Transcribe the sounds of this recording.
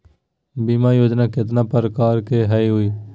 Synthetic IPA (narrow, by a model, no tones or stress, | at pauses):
biːmaːjoːd͡ʒnaːkɪt̪̬nãːpəɾkaːɾkeːɦəiːɦʊiː